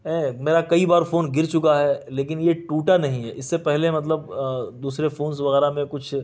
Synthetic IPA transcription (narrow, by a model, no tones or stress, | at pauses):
ɛːmeːɾakɐibaːɾfoːnɡɪɾt͡ʃʊkaɦɛleːk̬ɪnjeʈuːʈanɐɦĩɦɛʔɪsːepɛɦlemɐt̪̬ləb̚d̪uːsɾefoːns̬ʋɐɣɛːɾamẽkʊt͡ʃʰ